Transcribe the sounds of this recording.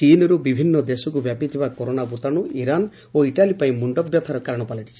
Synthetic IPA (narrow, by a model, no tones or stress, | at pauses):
t͡ʃinɔɾubibʱinːɔd̪esɔkubjapit̪ʰibakɔɾonabut̪aɽ̃uʔiɾan | oiʈalipaĩmuɳɖɔbjɔt̪ʰaɾɔkaɾɔɽ̃ɔpaliʈʰi̥t͡ʃʰi̥